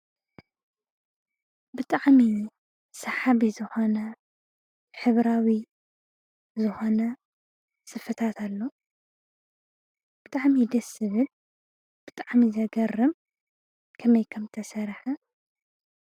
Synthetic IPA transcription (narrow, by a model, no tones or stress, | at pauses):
bɨt̪ʼaʕmi | sɐħaβizɨxo̞nɐ | ħɨβɾawi | zɨxo̞nɐ | sɨfɨt̪ʰat̪ʰalːo | b̥ɨt̪ʼaʕmid̪ɐsɨβɨl | b̥ɨt̪ʼaʕmizɐɡɐrːɨm | kʰɐmɐjkʰɐmt̪ʰɐsɐɾħɐ